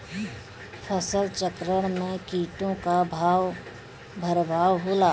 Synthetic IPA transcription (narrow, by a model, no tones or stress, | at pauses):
pʰəsəlt͡ʃəkɾəɽ̃mẽkiːʈõkabʱaːʋ | bʱəɾbʱaːʋɦoːlaː